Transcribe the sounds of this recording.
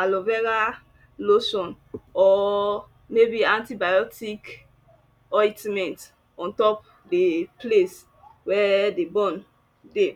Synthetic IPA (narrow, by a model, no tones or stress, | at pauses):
alovɛɾa | losɔ̃n | ɔ | mebiãntibajɔtik | ɔitmɛ̃nt | ɔ̃ntɔp | deples | wɛdebɔ̃n | de